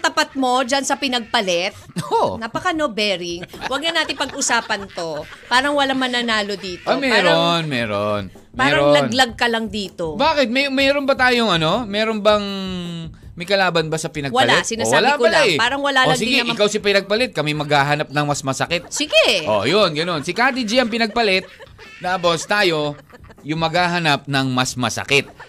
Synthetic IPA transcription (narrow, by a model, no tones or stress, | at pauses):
t̪ɐpɐt̪̚mo̞d͡ʒɐnsɐpɪnɐɡ̚pɐlɛt̪̚oʔonapɐkɐnobɛːɾɪŋwɐɡ̚nɐnaːt̪ɪŋpɐɡɡʔʊsaːpɐnt̪o̞paːɾɐŋwɐlamɐnɐnaːlo̞d̪iːt̪oomɛɾonmɛːɾon | mpaːɐɾŋolɐnlɐɡ̚kɐlɐŋd̪iːt̪o̞baːkɪt̪̚mɛmɛːɾonbɐt̪aːjoŋʔɐno̞mɛːɾonbɐŋ | mɐjkɐlaːbɐnbɐsɐpɪnɐɡwɐɐlaɛsɪnaːwaɐlaakɐlajpaːɾɐŋwɐlaoɐɡsɪɡɛʔɪkawsɪpɪnɐɡ̚pɐlɛt̪̚kɐmɪmɐɡhaːɦɐnap̚nɐŋmɐsmɐsɐkɛt̪̚sɪɡɛʔo̰jonɡɐno̞nsɪkaːd̪id͡ʒiʔɐŋpɪnɐɡ̚pɐlɛt̪̚d̪aɐpost̪aːjo̞ | jʊŋmɐɡaːɦɐnɐp̚nɐŋmɐsmɐsɐ̰kɛt̪̚